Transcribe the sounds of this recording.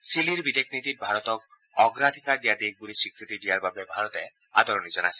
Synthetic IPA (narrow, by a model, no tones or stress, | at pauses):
siliɾbid̪ekʰnit̪it̪̚bʱaɾɔt̪ɔk̚ | ɔɡɾad̪ʱikaɾd̪ijad̪eɡ̚ɡulisikɾit̪id̪ijaɾbʱabebʱaɾɔt̪e | ad̪ʱɔɾɔnid͡ʒɔna̰si̥